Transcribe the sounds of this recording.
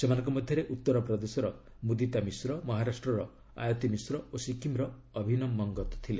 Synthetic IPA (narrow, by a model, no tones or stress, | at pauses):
semanɔ̃ŋkɔmɔd̪ʱjɔɾeʔut̪ːɔɾɔpɾɔd̪esɔɾɔ | mud̪it̪amisɾɔmɔɦaɾasʈɾɔɾɔ | a̰jɔt̪imisɾɔosikimɾɔː | bʱinɔmːɔŋɡɔt̪ɔ̥t̪ʰile